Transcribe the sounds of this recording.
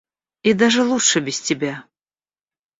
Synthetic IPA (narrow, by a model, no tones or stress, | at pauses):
id̪aʐɨlˠutʂɨbʲɪsʲtʲɪbʲa